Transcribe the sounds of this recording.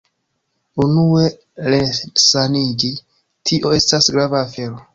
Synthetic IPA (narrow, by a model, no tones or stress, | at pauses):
unue̞ | ɾesanid͡ʒi | tʰiʔo̞e̞stasɡɾavaːfe̞ɾo̞